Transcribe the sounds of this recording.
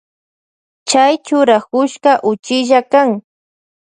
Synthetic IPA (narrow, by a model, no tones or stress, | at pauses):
t͡ʃajt͡ʃʊɾakʊʃkɑʔʊt͡ʃɪʒakaŋ